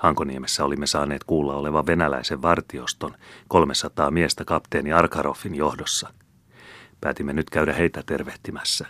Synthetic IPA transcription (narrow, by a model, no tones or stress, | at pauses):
hɑŋkoniemesːæolimːesɑːne̞ːt̪kuːlːɑo̞le̞ʋɑʋʋe̞nælæ̰iseʋʋɑrt̪io̞st̪o̞nko̞lmesɑt̪ɑːmiest̪ækɑpt̪eːniɑrkɑɾo̞fːinjo̞hdosːɑ | pæ̰ːt̪imːenyt̪kæydæhe̞ijt̪æt̪e̞rʋeht̪imæsːæ